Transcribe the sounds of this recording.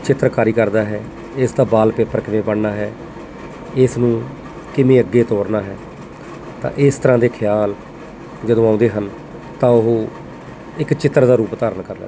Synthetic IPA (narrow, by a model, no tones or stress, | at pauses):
t͡ʃɪt̪ːɾkaːɾiːkəɾd̪aːɦɛː | ɪsd̪aːbaːlpeːpːəɾkɪmẽːbəɳnaːɦɛː | ɪsnũː | kɪmẽːəɡːeːt̪oːɾnaːɦɛː | t̪ã̰ːʔɪst̪əɾãːd̪eːkʰɪjaːl | d͡ʒəd̪õːãːʊ̃nd̪eːɦən | t̪ãːʊɦoː | ɪkt͡ʃɪt̪ːɾd̪aːɾuːpt̪aːɾənkəɾlɛ̰ː